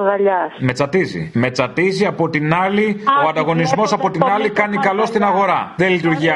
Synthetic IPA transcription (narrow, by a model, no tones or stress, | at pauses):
ɣɐʎɐsme̞t͡sɐt̪izḭme̞t͡sɐt̪iziɐpo̞t̪inɐlio̞ɐnd̪ɐɣo̞nizmo̞sɐpo̞t̪inɐlikɐnikɐlo̞st̪inɐɣo̞ɾɐðelit̪uɾʝiɐ